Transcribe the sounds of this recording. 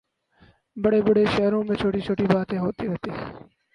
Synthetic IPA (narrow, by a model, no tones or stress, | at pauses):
bəɽeːbəɽeːʃəɦɾõːmẽːt͡ʃʰoːʈiːt͡ʃʰoːʈiːbaːt̪ẽːɦoːt̪iːɾəɦt̪eː